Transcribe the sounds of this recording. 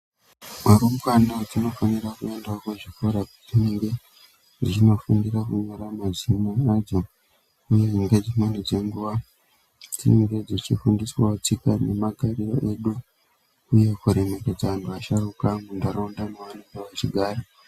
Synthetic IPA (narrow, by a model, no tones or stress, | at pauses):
maɾumwanad͡zino̞fanirakue̞ndakuʐikuɾad͡zineŋɡe̞ | d͡zit͡ʃino̞funirakuɲoɾamazimoad͡zo̞ | ujeŋɡed͡zimwenid͡ze̞ŋɡuʋa | d͡zineŋɡe̞d͡zit͡ʃifundiswaot͡sikane̞maɡʱariro̞ʔe̞ɗu | uje̞kuɾemeked͡zaʋantuaʃarukaŋɡundaɾondamuʋaniɡeʋat͡ʃiɡʱaːɾo